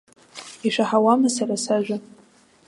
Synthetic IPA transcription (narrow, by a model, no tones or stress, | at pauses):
iʂʷaħawamasarasaʒʷᶣa